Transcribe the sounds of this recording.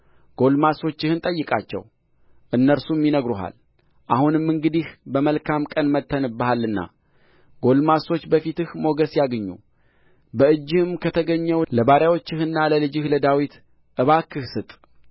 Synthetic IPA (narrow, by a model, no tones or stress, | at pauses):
ɡ̥o̞lmaso̞t͡ʃːɪhɨnt̪ʼəjːɨkʼat͡ʃːɛ̰w | ʔɨnːəɾsumːinəɡɾuɦa̰l | ʔahunɨmɨŋɡɨd̪ihbəməlkʰamkʼənmət̪ʰːənɨbːahalːɨnːa̰ | ɡ̥o̞lmaso̞t͡ʃːbəfit̪ɨhmo̞ɡəsjaɡəɲːṵ | bəɨd͡ʒːɨhɨmkʰət̪ʰəɡəɲːɛwləbaɾjawo̞t͡ʃːɪhɨnːaləlɨd͡ʒɨhləd̪awit̪ | ʔɨβakːɨhsɨt̪ʼ